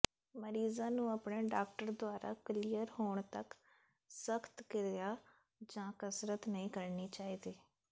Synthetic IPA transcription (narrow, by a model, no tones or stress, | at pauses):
məɾiːzãːnũːəpɳeːɖaːk̚ʈəɾd̪ʊaːɾʔa̰ːkəliːjəɾhoːɳ̃t̪ək | səkʰt̪kɪɾejaː | d͡ʒãːkəsɾət̪nəĩːkəɾniːt͡ʃaːiːd̪eː